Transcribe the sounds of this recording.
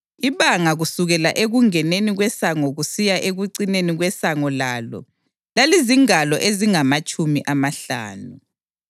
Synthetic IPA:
iβaŋaɣusuɣɛla̰ʔeɣuŋɛneniɣwɛsaŋɔɣusijaʔeɣuǀineniɣwɛsaŋɔlaːlɔ̰ | laliziŋalɔʔeziŋamat͡ʃʼumiʔamaɬa̰ːnu

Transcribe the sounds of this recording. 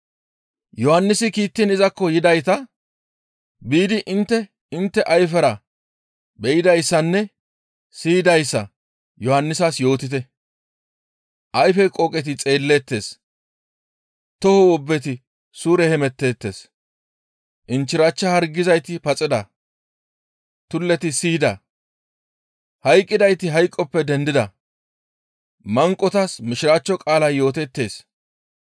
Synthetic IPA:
jɔhɐnːɪsɪkiːt̪ːɪnɪzɐkːɔjɪd̪ɐjt̪ɐ | biːd̪ɪʔɪnt̪ːɛ | ɪnt̪ːɛʔɐjfɛɾɐ | bɛjɪd̪ɐjsːɐnːɛ | siːd̪ɐjsːɐ̰ | jɔhɐnːɪsɐsjo̞ːt̪ɪt̪̬ɛ | ʔɐjfɛkʼɔkʼɛt̪̬ɪt͡sʼe̞ːlːɛt̪ːe̞ːs | t̪ɔhɔwɔbːɛt̪ɪ | suːɾɛhɛmɛt̪ːe̞ːt̪ːe̞ːs | ʔɪnt͡ʃːɪɾaːt͡ʃːɐhɐɾɡɪzɐjt̪ɪpɐt͡sʼɪd̪ɐ | t̪ʊlːɛt̪ɪsiːd̪ɐ | hɐjkʼːɪd̪ɐjt̪ɪɦɐjkʼːɔpːɛd̪ɛnd̪ɪd̪ɐ | mɐŋkʼːɔt̪ɐsmɪʃɪɾaːt͡ʃːɔkʼaːlɐjjo̞ːt̪ɛt̪ːe̞ːs

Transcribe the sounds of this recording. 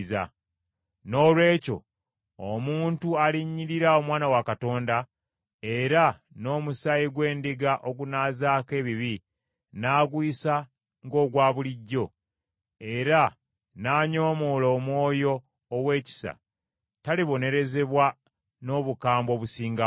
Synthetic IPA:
za̰ | no̞ːlwe̞ːco̞̰ | omuːntualiɲːiɾiɾao̞mwaːnawakato̞ːnda | e̞ɾa | no̞ːmusajiɡwe̞ːndiɡaʔo̞ɡunaːzaːke̞ːβiβi | naːɡwiːsa | ŋɡo̞ːɡwaːβuliɟːo̞ | e̞ɾa | naːɲo̞ːmoːlo̞ːmwo̞ːjo̞ː | we̞ːci̥sa̰ | taliβo̞ne̞ɾe̞ze̞βwa | no̞ːβukaːmbo̞ːβusiːŋɡa

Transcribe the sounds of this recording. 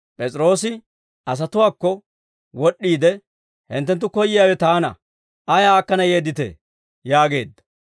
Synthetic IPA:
pʼɛt͡sʼɾo̞ːsɪ | ʔɐs̬ɐt̪ʊwaːkːɔ | wɔɗːiːd̪ɛ | hɪ̰nt̪ːɛnt̪̬ːʊkɔjːɪjaːwɛt̪aːnɐ̰ | ɐjaaːkːɐnɐje̞ːd̪ɪt̪ḛ | jaːɡe̞ːd̪ːɐ̥

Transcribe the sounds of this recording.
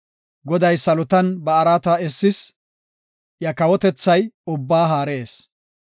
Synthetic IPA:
ɡɔd̪ɐjsɐlʊt̪ɐnbɐːɾaːt̪ɐɛsːɪs | jɐkɐwɔt̪ɛt͡sːɐjʊbːaːɦaːɾeːs

